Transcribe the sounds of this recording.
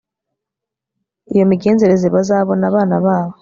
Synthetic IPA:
ijo̞miɡe̞ːnze̞ɾe̞zeβazaːβo̞naːβaːnaβaːβo

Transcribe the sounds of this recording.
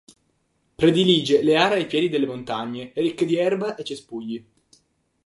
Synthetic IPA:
pɾed̪iliːd͡ʒeleaːɾeajpjɛːd̪id̪elːemont̪aɲːerikːed̪iɛrbaʔet͡ʃːespuʎːi

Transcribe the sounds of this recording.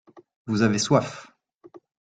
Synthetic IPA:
vuzaveswaf

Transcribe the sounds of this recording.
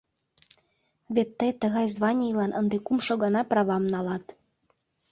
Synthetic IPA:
βʲet̪ːəjt̪ə̆ɣɑjzβɑnʲijlɑnʔɤnd̪ekumʃoɣɑnɑprɑβɑmnɑlɑt̪

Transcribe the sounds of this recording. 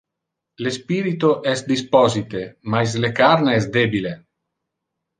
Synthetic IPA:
lespiɾit̪oʔɛst̪̚d̪ispɔzit̪emajs̬lekaɾneɛsd̪ebile

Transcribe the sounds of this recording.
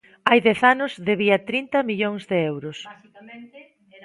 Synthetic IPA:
ajðɛθanʊzðeβiɐt̪ɾint̪ɐmiʎoŋzðɪewɾʊs | kn

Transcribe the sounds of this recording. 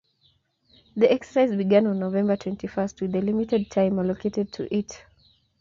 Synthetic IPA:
ðiʔɛksə̥saɪzbiɡãnɔ̃nːovɛ̃mbə˞tʰw̥ɛ̃ntʰifɜst̚wɨðəlimitɛd̚tʰãɪ̃məlokʰetɛd̚tʰṵʔit

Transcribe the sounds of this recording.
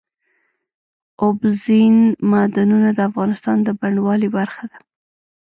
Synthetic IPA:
ʊbzinmad̪anunad̪əafɣɑnɪst̪ɑnd̪əbaɳwɑlibaɾxad̪a

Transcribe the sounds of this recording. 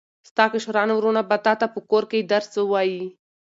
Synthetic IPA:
st̪aːkiʂɾaːnwɾonabɐt̪at̪apəkoːɾkeid̪ɐɾsəwaːi

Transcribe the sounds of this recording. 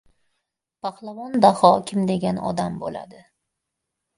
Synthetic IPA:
pʰahlˠavɒnd̪ahɒkʲʰɪmd̪e̞ɡʲanɒ̰d̪ambo̰la̰d̪ɪ

